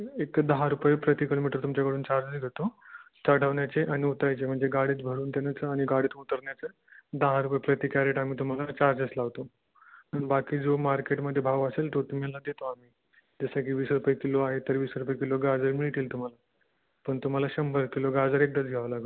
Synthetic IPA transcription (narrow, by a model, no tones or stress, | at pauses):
ekd̪əɦaɾupajpɾət̪ikilomiʈəɾt̪umt͡ɕakəɽuːnt͡ɕaɾd͡zəɡʱet̪ot̪əʈʰəʋɳjat͡seʔañiut̪ɾajt͡sem̤əɳd͡zeɡaɽ̤iːt̪bʱəɽuːnt̪anjat͡səañiɡaɽ̤iːt̪ut̪əɾɳjat͡sə | d̪əɦaɾupajpɾət̪iːkæɾeʈamiːt̪um̤alat͡ɕaɾd͡ʑət͡slaʋt̪o | ənbakiːd͡zomaɾkeʈməd̪ʱːjebʱaʋəselt̪ot̪um̤ilad̪et̪oamiː | d͡zəsakiːʋiːsɾupajkiloaɦet̪ːəɾʋiːsɾupajkiloɡad͡zəɾmiɭt̪iːlt̪um̤ala | pəɳt̪um̤alaɕəmbəɾkeloɡad͡zəɾek̚d̪ət͡sɡʱɛʋəlaɡ